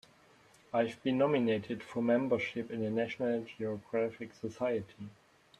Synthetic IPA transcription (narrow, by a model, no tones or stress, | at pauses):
ʔaɪvbĩnːɔmineɪtʰɪdfɔmɛ̃mbə˞ʃɪpɪ̃nənæʃnəld͡ʒiɔɡɹæfɪksəsaɪətʰi